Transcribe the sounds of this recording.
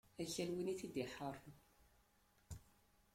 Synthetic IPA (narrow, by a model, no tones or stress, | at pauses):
æçælwiniθid̪iħəɾˤ